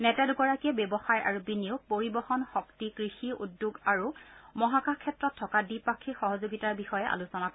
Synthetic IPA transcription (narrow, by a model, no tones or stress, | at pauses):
nɛtɛdʊɡɔɹakiɛbɛbɔxaja̰ɹubinijuɡ̚poɹibɔxɔnxɔktikɹixiṵdjuɡaɹumɔɦakakʰːɛtɹɔtʰːɔkadipakʰːixɔɦɔzoɡitaɹbixɔjɛʔa̰lusɔnakɔɛ